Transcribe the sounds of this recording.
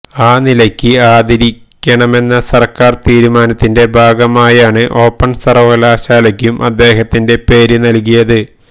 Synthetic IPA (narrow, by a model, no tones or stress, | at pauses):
aːnilɐkʲːɨaːd̪ɐɾikʲːɐɳɐme̞nːɐsɐrkaːrt̪iːɾumaːnɐt̪ːinde̞bʱaːɡɐmaːjaːɳɨʔo̞ːpːɐɳsɐrʋɐlaːɕaːlɐkʲːumʔɐd̪ːe̞ːɦɐt̪ːinde̞pe̞ːɾunɐlk̬ujɐðɨ